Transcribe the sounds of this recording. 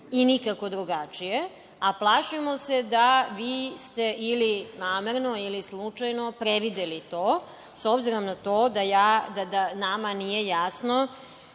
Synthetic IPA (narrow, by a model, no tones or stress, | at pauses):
inikako̞d̪ɾuɡat͡ʃije | aplˠaʃimo̞se̞d̪aʋiːst̪e̞ʔilinaːmeɾno̞ilislˠut͡ʂajno̞pɾeʋid̪elit̪oː | sobziɾo̞mnat̪o̞ːd̪ajaːd̪ad̪anamanije̞jasno